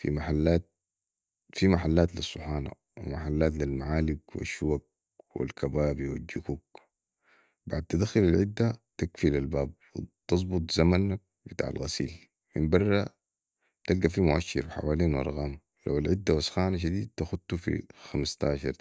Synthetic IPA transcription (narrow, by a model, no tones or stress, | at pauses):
fḭmaħalːaːt̪̚ | fimaħalːaːt̪lisˤːʊħaːna̰ | wḭmaħalːaːt̪̬lilmaʕaːliɡwḭʃːuwaɡ̚ | wḭlkʰabaːbiwḭld͡ʒukuːɡ | baʕd̪̚t̪ad̪axʊlalʕid̪ːat̪akfilalbaːb̚wḭt̪ɑzˤbʊt̪ˤz̥amanːak̚bit̪a̰ʕa̰lɣa̰sḭːl | mḭmbɑrˤːɑ | t̪alɡafimʊʔaʃːɪɾfiħa̰waːliːnwʔɑ̰ɾˤɣɑːm | la̰walʕid̪ːawasxaːnaʃ̬ad̪iːd̪̚t̪axud̪t̪ufḭxamst̪aːʃɑɾˤ